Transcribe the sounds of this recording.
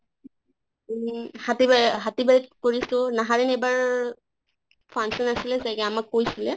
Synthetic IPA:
hatibɦatibaɹitkoɹisʊ̃naɦaɹɛnejbaɹ | pʰaŋsɔnasilɛzakɛamakːojsilɛ

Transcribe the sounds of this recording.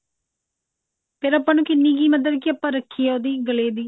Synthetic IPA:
pʰɪɾəpːãːnũːkɪnːiːɡiːməd̪əd̪̚kiəpːãːɾəkʰːiːaod̪iːɡəleːd̪iː

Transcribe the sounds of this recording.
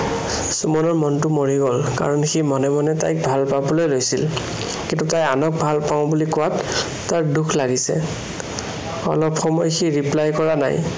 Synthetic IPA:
sumɔnɔɹmɔntʊmoɹiɡɔlka̰ɹɔnximɔnɛmɔnɛta̰jk̚bʱalpabɔlojlojsil | kintutajanɔk̚bʱalpaʊ̃bulikɔwatː | aɹdukʰlaɡisɛ̰ | ɔ̰lɔpxɔmɔjxiɹiplajkɔɹana̰j

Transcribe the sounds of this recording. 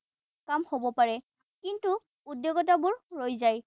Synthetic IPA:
kamhobɔpaɹɛ | kintu | udːjoɡɔtabʊɹːojzaj

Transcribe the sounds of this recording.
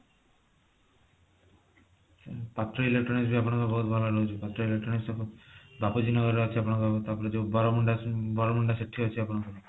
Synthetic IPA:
pat̪ɾɔilek̚ʈɾɔnisbiapnɔŋkɔbɔɦut̪bʱalaɾɔɦut͡ʃʰepat̪ːɾɔilek̚ʈɾɔnisʈɔbapud͡ʒinɔɡɔɾeat͡ʃʰiapnɔŋkot̪apɔɾed͡ʒobɔɾɔmuɳɖabɔɾomuɳɖaseʈʰːiɦot͡ʃʰiapnɔŋkɔ

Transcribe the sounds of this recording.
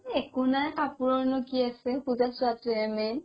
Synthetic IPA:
ekunakapuɹɔɹnɔkiasɛpuzasʊatuɛmɛn

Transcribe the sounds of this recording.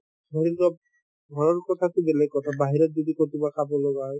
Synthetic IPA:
sɔɾidɔ | ɡʱɔɹɔɹkɔtʰatʊbɛlɛkkɔtʰabaɦiɾɔt̚d͡ʒɔdikotibakʰabɔloɡaɦɔj

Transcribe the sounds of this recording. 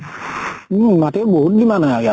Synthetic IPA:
matebodimãnaaja

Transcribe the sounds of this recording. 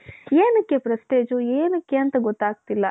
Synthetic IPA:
eːnɐkːepɾɐst̪eːd͡ʒueːnɐkːeɐnt̪ɐɡɔt̪ːaːɡ̚t̪ilːɐ

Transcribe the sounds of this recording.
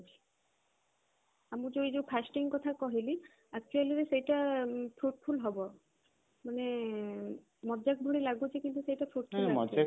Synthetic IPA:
amud͡ʒojd͡ʒowpʰasʈiŋkɔt̪ʰakɔɦili | ak̚t͡ʃualiɾisejʈapʰɾuʈpʰulɦɔbɔ | mane | mɔd͡ʒak̚bʱuɽilaɡbot͡ʃʰikint̪usejʈapʰɾuʈ̚pʰnmɔd͡ʒa

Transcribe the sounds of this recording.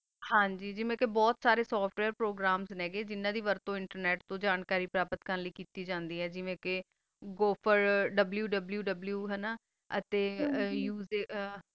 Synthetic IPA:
hãːɲd͡ʒiːd͡ʒɪʋẽːkebɔːt̪saːɾeːsɔːpʰʈʋɛːɾpɾoːɡɾaːmznɛ̃ːɡeːd͡ʒɪnːãːd̪iːʋəɾt̪õːɪɳʈəɾnɛːʈt̪õːd͡ʒaːnkaːɾiːpɾaːpət̪kəɾnləiːkiːt̪iːd͡ʒãːnd̪iːɦɛːd͡ʒɪʋẽːke | ɡoːpʰəɾɖəbljuːɖəbljuːɖəbljuːɦɛnaː | ət̪eːjuːze

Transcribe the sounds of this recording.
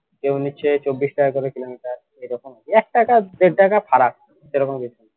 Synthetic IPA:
keniɕʰet͡ɕobːisʈakakɔɾekilomiʈaɾ | ejɾɔkomkiɛk̚ʈakad̪eʈakafʰaɾak̚ | ʃeɾɔkombit̪ʰun

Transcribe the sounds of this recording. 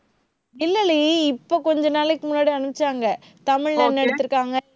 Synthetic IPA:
ɪlːɐliɪpːoːkɔɲd͡ʒɐnaːlɛkːɯmʊnːaːɽiɐɳɯpɪt͡ʃːaːŋɡɐ | t̪ɐmɪɻnɐnːɛɽɯt̪ːɯɾɯkːaːŋɡɐ

